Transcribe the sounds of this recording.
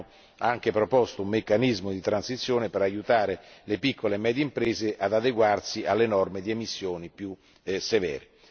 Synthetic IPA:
aŋk̟epɾopɔst̪oumːekːanizmod̪it̪ɾansit̪sːjoːnepeɾajut̪aːɾelepikʰːolemɛːd̪jeimpɾeːzeʔad̪ad̪eɡwarsialːenɔrmed̪iemisːjoːnipju | sevɛ̰ːɾe

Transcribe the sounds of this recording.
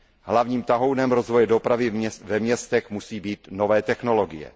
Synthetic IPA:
ɦlavɲiːmt̪aɦo̞wnɛmɾo̞zvo̞jɛdo̞pɾavɪvɛmɲɛst̪ɛxmusiːbiːt̪no̞vɛːt̪ɛxno̞lo̞ɡɪ̰jɛ̰

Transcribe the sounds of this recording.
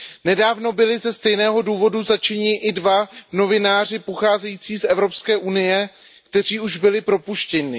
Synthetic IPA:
nɛdaːvno̞bɪlɪzɛst̪ɛjnɛːɦo̞duːvo̞duzat͡ʃɛɲɪʔɪdvavno̞vɪnaːr̝ɪpoxaːzɛjiːt͡siːsʔɛvɾo̞pskɛːʔunɪjɛ | kt̪ɛr̝iːuʒbɪlɪpɾo̞puʃcɛɲɪ

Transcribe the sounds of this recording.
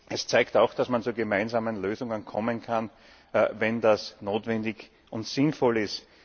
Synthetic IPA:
ʔɛst͡saɪktaʊxd̥asmant͡suːɡemaɪnzaːmənløːzʊŋənkʰɔmənkʰan | vɛndasnoːtvɛndɪç | ʔʊntsɪnfɔlɪst

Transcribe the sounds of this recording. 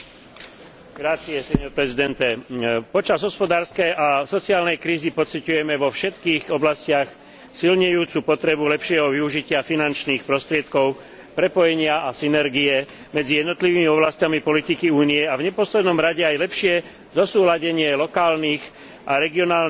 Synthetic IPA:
ɡɾaːt͡siɛsɛɲɔɾpɾɛzid̪ɛnt̪ɛpɔt͡ʃazɦɔspɔd̪aːɾskɛjasɔt͡siaːlnɛjkɾiːzipɔt͡sicujɛmɛʋɔfʃɛt̪kiːɣɔblascɪax | silɲɛjuːt͡supɔt̪ɾɛbulɛpʃɪɛɦɔʋiuʒicɪafinant͡ʃniːxpɾɔst̪ɾɪɛt̪kɔʊ | pɾɛpɔjɛɲɪaasinɛɾɡijɛ | mɛd͡zijɛd̪nɔt̪liʋiːmiɔblascamipɔlit̪ikiuːniɛavɲɛpɔslɛd̪nɔmɾaɟɛajlɛpʃɪɛ | zɔsuːlaɟɛɲɪɛlɔkaːlniːx | ʔaɾɛɡiɔnaːl

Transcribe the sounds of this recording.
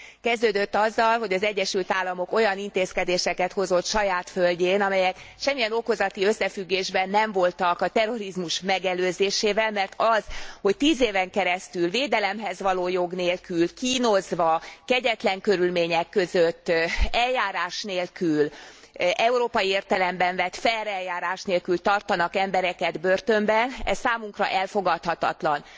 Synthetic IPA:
kɛzd̪øːd̪øt̪ːɒzːɒlɦo̞ɟɒzɛɟːɛʃylt̪aːlːɒmo̞ko̞jɒnint̪eːskɛd̪eːʃɛkɛt̪ho̞zo̞t̪ʃɒjaːt̪følɟeːnɒmɛjɛkʃɛmːijɛno̞ko̞zɒt̪iø̞sːɛfyɡːeːʒbɛnːɛɱvo̞lt̪ɒkɒt̪ɛro̞ɾizmuʃmɛɡɛløːzeːʃeːvɛlmɛrt̪ʰɒz̥ho̞ct̪iːzeːvɛŋkɛɾɛst̪ylveːd̪ɛlɛmɦɛzʋɒloːjo̞ɡneːlkylkiːno̞zʋɒkɛɟɛt̪lɛŋkø̞ɾylmeːɲɛkːø̞zøt̪ːɛljaːɾaːʃneːlkyl | ʔɛuɾoːpɒjieːrt̪ɛlɛmbɛɱvɛt̪fɛɾɛljaːɾaːʃneːlkylt̪ɒrt̪ɒnɒkɛmbɛɾɛkɛd̪børt̪ømbɛnɛ̰ssaːmuŋkrɒ̰ʔɛlfo̞ɡɒt̪hɒt̪ɒ̰t̪lɒn

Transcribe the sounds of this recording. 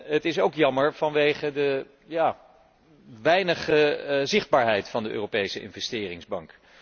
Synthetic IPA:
ɦətɪsowkjɑməɹvɑnʋejχədə | jaː | ʋɛjnəχəzɪχd̚baːɹɦɛjtfɑndəʔø̰ːropejsəʔɪ̰nvɛstɪːrɪŋzbɑŋk

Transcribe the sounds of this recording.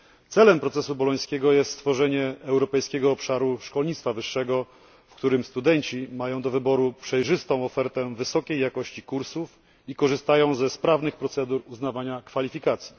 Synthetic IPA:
t̪sɛlɛmpɾɔt̪sɛsubɔlɔj̃skʲeɡɔjɛst̪st̪fɔʐɛɲɛɛwɾɔpɛjskʲɛɡɔːpʂaɾuʂkɔlɲit̪st̪favɘʂːɛɡɔ | fkt̪uɾɘmst̪ud̪ɛɲt͡ɕimajɔ̃w̃d̪ɔvɘbɔɾupʂɛjʐɘst̪ɔ̃w̃ɔfɛɾt̪ɛvɘsɔkʲejːakɔɕt͡ɕikuɾsuf | ikɔʐɘst̪ajɔ̃w̃zɛspɾavnɘxpɾɔt̪sɛd̪uɾuznavaɲakfalʲifʲikat̪sʲji̥

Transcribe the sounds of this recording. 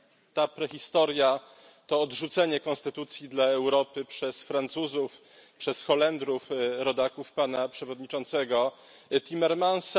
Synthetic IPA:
t̪apɾɛxʲist̪ɔɾja | t̪ɔːdʐut̪sɛɲɛkɔ̃ñst̪ɘt̪ut̪sʲjid̪laɛwɾɔpɘpʂɛsfɾant̪suzuf | pʂɛsxɔlɛnd̪ɾufɾɔd̪akufpanapʂɛvɔd̪ɲit͡ʂɔnt̪sɛɡɔ | t̪ʲimɛɾmans

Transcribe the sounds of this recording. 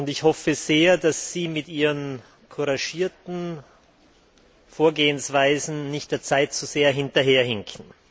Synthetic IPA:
ʊntɪçhɔfəz̥eːɐdasːiːmɪtʔiːʁən | kʰuʁaʃiːɐtn̩ | foːɐɡeːənsv̥aɪzn̩nɪçt̚d̥eːɐt͡saɪtt͡suz̥eːɐɦɪntɐɦeːɐhɪŋkʰn̩

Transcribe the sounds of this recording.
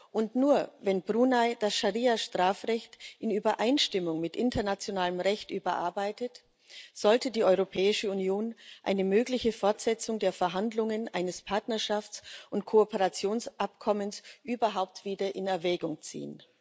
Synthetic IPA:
ʔʊntnuːɐvɛnbʁuːnad̥asʃaʁiːaʃtʁ̥aːfʁɛçtʔɪnyːbɐʔaɪnʃtɪmʊŋmɪtʔɪntʰɐnat͡sjonaːləmʁɛçtʔyːbɐʔa̰ɐbaɪtət | z̥ɔltədiːʔɔʏʁopʰɛːɪʃəunjoːnʔa̰ɪnəmøːɡlɪçəfɔɐtz̥ɛt͡sʊŋdeːɐfɛɐɦandlʊŋənʔaɪnəspʰaɐtnɐɐʃaft͡sʔʊntkʰoopəʁat͡sjoːnsʔapkʰɔmənsʔyːbɐɦaʊp̚tv̥iːdɐʔɪnɛɐvɛːɡʊŋt͡sḭːən

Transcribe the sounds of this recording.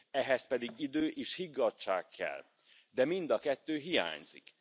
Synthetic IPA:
ɛɦɛspɛd̪iɡid̪øːʔeːʃhiɡːɒt͡ʃːa̰ːkʰːɛ̰l | d̪ɛmind̪ɒkɛt̪ːøːɦija̰ːɲz̥ḭk

